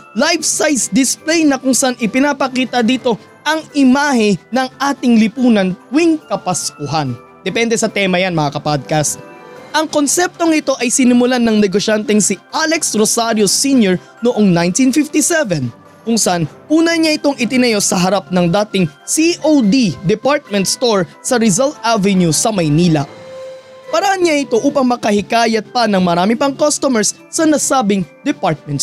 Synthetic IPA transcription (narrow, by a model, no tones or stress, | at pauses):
lajvsajsd̪ɪsplɛjnɐkʊŋsɐʔanʔɪpɪnapɐkiːt̪ɐd̪iːt̪o̞ | ʔɐŋɪmaːhɪnɐŋʔaːt̪ɪŋlɪpuːnɐnt̪̚wiŋkɐpɐskʊɦan | d̪ɛpɛnd̪ɛsɐt̪ɛmɐjanmɐŋakɐpad̪̚kast̪ʔɐŋko̞nsɛp̚t̪o̞ŋɪt̪o̞ʔɐjsɪnɪmʊlanɐŋnɛɡoʃant̪ɛŋsɪʔalɛksɾosaɾjosinjoɹ | noʔoŋnajnt̪infɪft̪isɛvɛn | kʊŋsɐʔanʔuːnɐɲaʔɪt̪o̞ŋʔɪt̪ɪnɐjo̞sɐɦɐɾap̚nɐŋd̪aːt̪ɪŋsiʔowd̪id̪ɛpaɹt̪̚mɛ̃nt̪̚st̪oɹ | sɐɾɪzɐlt̪̚ʔavɛnjusɐmɐjniːlɐ̰ | pɐɾɐhɐnɲaʔɪt̪o̞ʔuːpɐŋmɐkɐhɪkaːjɐt̪̚pɐnɐŋmɐɾaːmɪpɐŋkost̪omɛɹsːɐnɐsaːbɪŋd̪ɛpaɹt̪̚mɛ̃nt̪